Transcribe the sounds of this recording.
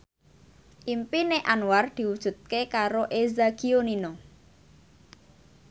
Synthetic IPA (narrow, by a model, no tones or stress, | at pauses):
ʔimpineʔanward̪̥i̤wud̥ʒ̥ṳt̪̚kekaɾoʔezakionino